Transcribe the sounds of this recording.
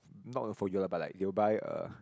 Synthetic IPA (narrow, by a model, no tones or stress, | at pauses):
nɔ̰ʔlõnfɔjulabat̚la̰ɪk̚dewəbaɪə̰